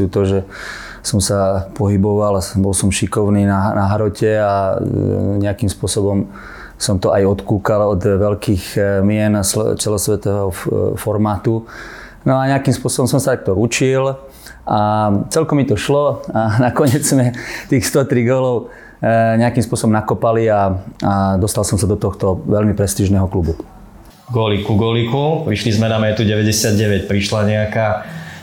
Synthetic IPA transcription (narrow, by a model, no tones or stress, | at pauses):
uːt̪ɔʒɛ | sɔmsapɔɦibɔʋalbɔlsɔmʃikɔʊniːnanaɦɾɔcɛa | ɲɛakiːmspʊɔsɔbɔm | sɔmt̪ɔʔajɔt̪kuːkalɔd̪ʋɛlkiːɣmɪɛnst͡sɛlɔsʋɛt̪ɔɛɦɔfɔɾmaːt̪u | nɔaɲɛakiːmspʊɔsɔbɔms̬ɔmsat̪ak̚t̪ɔut͡ʃil | ʔat͡sɛlkɔmit̪ɔʃlɔanakɔɲɪɛd͡zmɛt̪iːxst̪ɔt̪ɾiɡɔlɔʊ | ɲɛakiːmspʊɔsɔbɔmnakɔpaliaad̪ɔst̪alsɔmsad̪ɔt̪ɔxt̪ɔʋɛlmipɾɛst̪iːʒnɛɦɔklubu | ɡɔlikuɡɔlikupɾiʃlizmɛnamɛt̪uɟɛʋɛɟɛsɪad̪̚ɟɛʋɛcpɾiʃlaɲɛakaː